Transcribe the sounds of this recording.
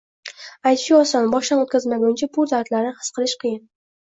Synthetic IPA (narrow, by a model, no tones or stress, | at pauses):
ajt̪ʃɪɒsanbɒʃd̪anot̪̚kʲazmaɡʲʊnt͡ʃʰapʰʊɾd̪aɾt̪laɾnɪhɨ̥sqʰɨlˠɪʃqʰɨjɪn